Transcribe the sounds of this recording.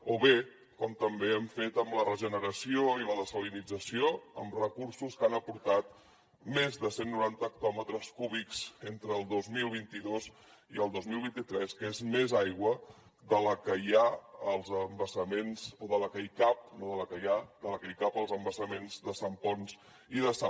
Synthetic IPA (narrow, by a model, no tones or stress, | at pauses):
oβe | kɔmt̪əmbeɛmfet̪əmlərəʒənəɾəsioiləðəsolinid͡zəsioəmrəkursuskanəpuɾt̪at̪̚ | mezðəsenːuɾant̪ək̚t̪ɔmət̪ɾəskuβikz̥ent̪ɾəːlˠd̪ozmilˠβint̪iðoz | iəlˠd̪ozmilˠβint̪it̪ɾɛskezmezajɣwə | ðələkəjaəlˠzəmbəsəmenz̥oðələkəjkap̚noðələkəjad̪ələkəjkapəlˠzəmbəsəmenzðəsəmpɔns | iðəsa